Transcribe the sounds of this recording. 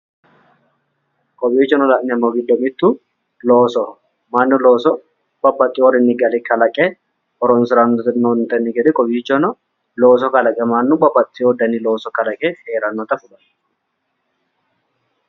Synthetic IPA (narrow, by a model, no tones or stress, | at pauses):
kʼɔbiːt͡ʃːɔnɔlɐʔnɪɐmːɔɡɪd̪ːɔmɪt̪ːu | loːsɔ | mɐnːʊlo̞ːsɔ | b̥ɐbːɐt̪ʼːɪɔɾɪnːɪɡɐlɪkɐlɐkʼːɛ | ɔɾɔnsɪɾɐnːɔt̪nont̪ɐnːɪɡɛd̪ɪkʼɔbiːt͡ʃːɔnɔ | lo̞ːsɔkɐlɐkʼɛmɐnːʊbɐbːɐt̪ʼːɪod̪ɐnːɪlo̞ːsɔkɐlɐkʼɛhe̞ːɾɐnːɔt̪ɐfʊlɐ